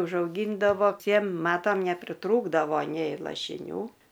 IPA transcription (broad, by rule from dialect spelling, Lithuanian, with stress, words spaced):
ʊʒɐʊˈɡʲiːndɐʋoː ˈtʲiɛm ˈmɑːtɐm nʲɛpʲrʲɪˈtruːɡdɐʋoː nʲɛɪ lˠɐʃʲɪˈnʲuː